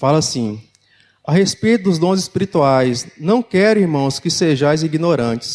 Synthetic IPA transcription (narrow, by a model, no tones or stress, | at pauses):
falɐsĩ | aɦespejt̪ʊd̪ʊzd̪õzɪspiɾit̪uajsnɐ̃w̃kɛɾʊiɾmɐ̃w̃skɪseʒajziɡinoɾɐ̃t͡ʃɪ̥s